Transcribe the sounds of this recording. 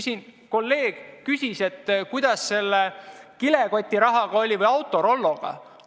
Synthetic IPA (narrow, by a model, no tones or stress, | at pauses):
sʲinko̞lːe̞ːɡ̥kysʲise̞t̪ːkujd̪̥ɑsːe̞lːekile̞ɡo̞t̪ʲːˑiɾɑɦɑɡ̥ɑo̞lʲivɤjɑwt̪ːˑo̞ɾo̞lːo̞ɡ̥ɑ̰